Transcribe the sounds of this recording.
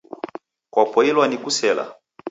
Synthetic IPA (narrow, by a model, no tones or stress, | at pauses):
kwapɔilwanikusɛla̰